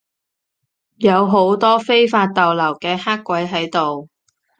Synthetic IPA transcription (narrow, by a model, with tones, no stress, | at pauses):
jɐ˨˧wɦo˨˥wt̪ɔː˥fe˥jfaː˧t̚t̪ɐ˨wlɐ˨˩wkɛː˧haː˥kʷːwɐ˨˥jɦɐ˨˥jt̪o˨w